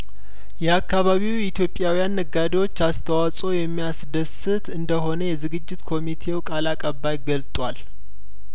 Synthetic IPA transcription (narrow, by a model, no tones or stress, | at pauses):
jɛakːaβaβiwit̪ʰjo̞pʼjawijanːəɡad̪iwo̞t͡ʃːast̪ʰəwasʼo̞jɛmːijasd̪əsɨt̪ʰɨnd̪əɦo̞nəjɛzɨɡɨd͡ʒːɪt̪kʰo̞mit̪ʰe̞wkʼalakʼəβːajɡəlt̪ʼwal